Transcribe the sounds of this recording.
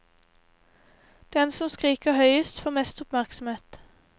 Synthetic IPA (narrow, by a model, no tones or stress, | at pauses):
d̪̥ɛnsɔmskʁiːkəhœʏəst̪foːmɛst̪ʊpmæʁksm̩eːt̪